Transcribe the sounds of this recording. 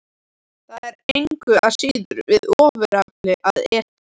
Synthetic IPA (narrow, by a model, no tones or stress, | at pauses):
θaðɛɾejŋkʏasiːðʏɾvɪðɔːvɪɾaklɪʔaðɛːt̪a